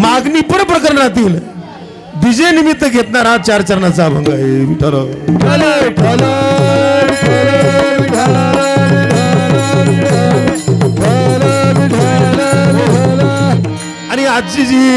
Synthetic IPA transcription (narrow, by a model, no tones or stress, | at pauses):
maɡnipəɽpɾəkəɾɳat̪iːl | b̪id͡ʑenimit̪ːəɡʱet̪naɾat͡ɕaɾt͡ɕəɾɳat͡sabʱə̃ŋɡaeʈʰəɾo | añiad̪t͡ɕid͡ʑiː